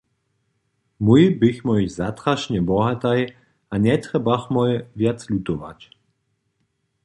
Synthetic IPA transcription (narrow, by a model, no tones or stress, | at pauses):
mujbixmɔjzat̪ɾaʃɲɛbɔɦat̪aj | aɲɛt̪ɾɛbaxmɔjvjat͡slʲut̪ɔʋa̰c